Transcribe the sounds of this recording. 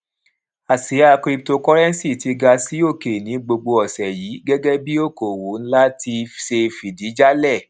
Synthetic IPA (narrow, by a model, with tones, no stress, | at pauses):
a˨si˨˦a˧kɾi˧p̚to˧kɔ˦ɾɛ˦n˦si˦˨ti˧ɡa˧si˨˦o˦˨ke˨nĩ˨˦ɡ͡bo˧ɡ͡bo˧ɔ˨sɛ˨ji˨˦ɡɛ˦ɡɛ˦bi˦o˦˨ko˨wo˨˦n̩˦la˦ti˧ʃe˧fi˨di˨˦d͡ʒa˦lɛ˦˨